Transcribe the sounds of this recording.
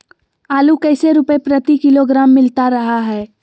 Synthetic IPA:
aːlukɛːseɾʊpepɾɐt̪ikɪloɡɾaːmːɪlt̪aɾɐɦaɦɛː

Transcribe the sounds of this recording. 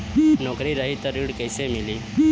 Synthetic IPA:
nɔkɾiɾaɦiːt̪əɾiɽkəjsemiliː

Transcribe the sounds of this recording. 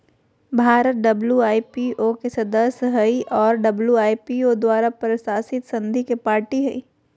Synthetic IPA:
bʱaːɾət̪̚ɖɐbljuaːipiʔokesɐd̪əsjɦɐiʔɔːɾɖɐbljuaːipiod̪waːɾapɾɐsaːsɪt̪sɐ̃nd̪ʱikepaːɾʈiɦɐḭ

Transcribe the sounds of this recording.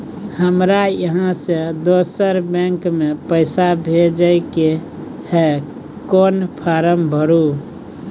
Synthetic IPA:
həmɾajəɦãsed̪osəɾbẽŋkmepəɪsabʱed͡ʒəɪke | he | konpʰaɾəmbʱəɾu

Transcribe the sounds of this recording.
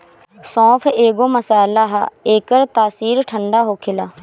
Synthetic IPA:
sɔ̃ːpʰeːɡoːməsaːlaːɦaeːkəɾt̪aːsiːɾʈʰəɳɖaːɦoːkʰɪlaː

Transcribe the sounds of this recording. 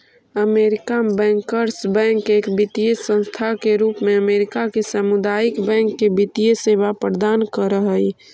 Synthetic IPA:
əmeɾikabɛ̃ŋkəɾsbɛ̃ŋkekbit̪ijesə̃nst̪ʰakeɾuːpmeəmeɾikakesəmud̪ajikbɛ̃ŋkːebit̪ijeseʋapɾəɾəd̪ankəɾəɦəj

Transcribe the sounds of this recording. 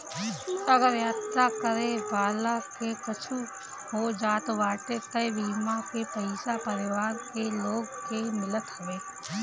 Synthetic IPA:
ɐɡəɾjaːt̪akəɾebaːlakepɐt͡ʃʰu | ɦod͡ʒaːt̪ʋaːʈekəjbiːmakepəɪsapɐɾɪʋaːɾkeloːɡkemɪlət̪ɦɐʋeː

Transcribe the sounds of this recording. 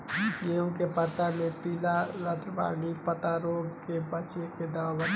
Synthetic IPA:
d͡ʒit̪eõkepət̪amẽpilaɾət̪ʰba̰ɡipət̪aɾoɡkebət͡ʃeked̪əwabən

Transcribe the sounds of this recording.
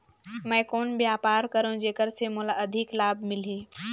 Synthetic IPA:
məjkoːnbjaːpaːɾkəɾũd͡ʒeːkəɾsemolaʔəd̪ʱiklaːbmɪlɦe

